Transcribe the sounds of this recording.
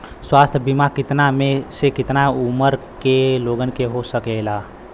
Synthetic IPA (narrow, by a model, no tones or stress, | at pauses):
swaːst̪ʰbimakɪt̪namẽsekɪt̪naʊməɾ | keloːɡənkeɦosəkeːlaː